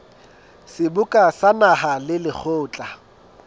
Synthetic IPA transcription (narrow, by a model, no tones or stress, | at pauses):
sɪbʊkʼasanaɦalɪlɪk͡xʰoːt͡ɬʼa